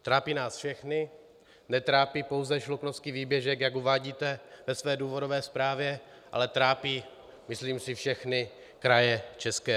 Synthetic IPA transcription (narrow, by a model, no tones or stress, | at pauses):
t̪ɾaːpiːnaːsfʃɛxnɪ | nɛt̪ɾaːpiːpo̞wzɛʃluknofskiviːbjɛʒɛkjakuvaːɟiːt̪ɛvɛsvɛːduːvo̞dovɛːspɾaːvjɛ | ʔa̰lɛt̪ɾaːpiː | mɪsliːmsɪfʃɛxnɪ | kɾajɛt͡ʃɛskɛː